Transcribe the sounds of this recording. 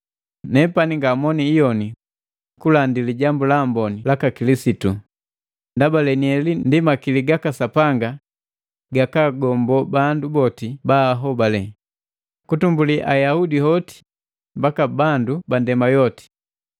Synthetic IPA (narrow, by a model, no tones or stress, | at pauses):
nɛpaniŋɡamɔniːjɔni | kulandiliɟambulambɔnilakakilisitu | ndabalɛniɛlindimakiliɡakasapaŋɡa | ɡakaɡɔmbɔbandubɔtibaɦɔbalɛ | kutumbuliʔajahudihɔti̥ | mbakabandubandɛmajɔti̥